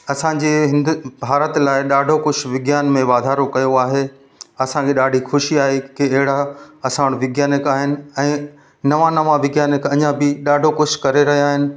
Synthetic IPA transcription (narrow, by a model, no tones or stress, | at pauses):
ɐsãd͡ʑeːɦɪ̃nd̪bʱaːɾət̪laːɪɗaːɖʱokʊʃʋɪɡjaːnmẽʋaːd̪ʱaːɾokɐjoaːɦe | ɐsãkeɗaːɖʱixʊʃiaːɦekiɐɦɪɽaɐsãːʋəɽ̃ʋɪɡjaːnɪkaːɦɪnɪ̆ɛ̃ː | nɐʋãnɐʋãʋɪɡjaːnɪkɐɲãbɪɗaːɖʱokʊʃkɐɾeɾɐɦijaːɦɪnɪ̆